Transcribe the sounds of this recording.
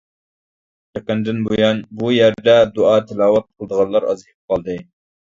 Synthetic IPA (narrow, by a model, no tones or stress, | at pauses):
t̪ɛkɑnd̪ɪnbojɑnbujæɾd̪ɛd̪oɑːt̪ʰɪlɑːwɑt̪̚qʰəlˠəd̪əʁɑnlˠɑɾɑ̰zɨhɪp̚qʰɑlˠd̪ɨ